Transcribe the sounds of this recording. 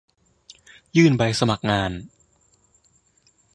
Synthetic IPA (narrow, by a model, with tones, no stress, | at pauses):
jɯː˥˩nba˧jsa˧ma˨˩k̚ŋaː˧n